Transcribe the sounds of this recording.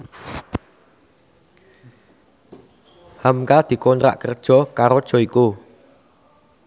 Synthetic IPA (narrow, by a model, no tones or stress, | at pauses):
hamkad̪̥i̤kɔnt̪ɾa̰ʔkərd̥ʒ̥ɔ̤kaɾod̥ʒ̥ɔ̤iku